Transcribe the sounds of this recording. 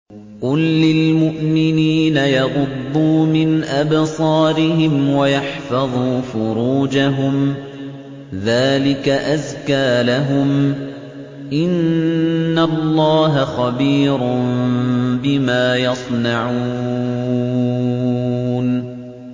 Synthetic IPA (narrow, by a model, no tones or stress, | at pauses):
qʊlːɪlmʊʔmɪniːnajɑɣʊd̪ːuːmɪnʔabsˤɑːɾɪɦɪmwajɑħfɑðˤuːfʊɾuːd͡ʒaɦʊm | ðaːlɪkaʔazkaːlaɦʊm | ʔɪnː | allˤːɑːɦaxɑbiːɾʊm | bɪmaːjɑsˤnɑʕu | n